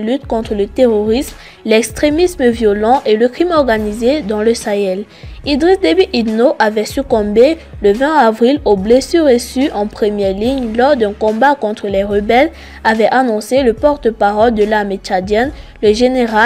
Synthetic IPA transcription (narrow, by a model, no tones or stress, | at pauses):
lyt̪kɔ̃t̪χələt̪eʁoʁism | lɛkst̪χemisməvjolɑ̃ʔeləkχimɔʁɡanized̪ɑ̃ləsaɛl | id̪ʁisd̪ebiʔid̪noʔavɛsykɔ̃beləvɛ̃avʁiloblesyʁːesyʔɑ̃pχəmjɛʁliɲlɔʁd̪ɛ̃kɔ̃bakɔ̃t̪χəlɛʁəbɛl | avɛʔanɔ̃seləpɔʁt̪əpaʁɔld̪əlamet͡ʃad̪jɛnləʒeneʁa